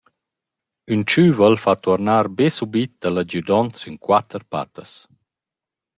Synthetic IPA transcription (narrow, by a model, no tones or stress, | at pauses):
ynt͡ʃyːvəlfat̪ɔɾnaːɾbesubit̪̚d̪̥alad͡ʑud̪ɔnt͡synkwat̪əɾpa̰t̪əs